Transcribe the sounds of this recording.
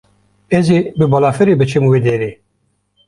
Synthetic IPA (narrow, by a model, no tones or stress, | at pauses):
ezibɨbɔlaːfɨɾibɨt͡ʃʰimwid̪eɾi